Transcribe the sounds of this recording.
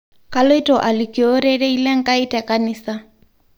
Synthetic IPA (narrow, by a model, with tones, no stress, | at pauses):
kalo˦i˦tɔ˨ʔa˨likiɔ˦ɾɛ˦ɾe˦i˦lɛ˦ŋ̩˦ka˦i˦tɛ˨kanisa˦